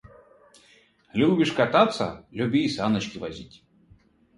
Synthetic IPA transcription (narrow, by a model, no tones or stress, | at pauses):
lʲubʲiʂkat̪at̪sːɐ̰lʲubʲiːsanɐt͡ʃkʲivazʲḭtʲ